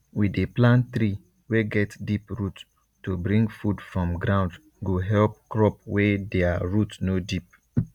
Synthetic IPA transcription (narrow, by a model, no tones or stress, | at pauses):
wideplãnt̪ɾi | weɡɛtdipɹut | tubɹĩŋɡfudfɹɔ̃mɡɾãʊ̃nd | ɡoɦɛlp̚kɹɔp̚wɛdɛaɹutnodip̚